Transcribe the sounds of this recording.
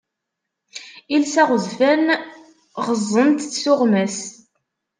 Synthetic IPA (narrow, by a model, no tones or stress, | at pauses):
ilsæʁəðfæn | ʁəzˤːənt̪θsʊʁmæs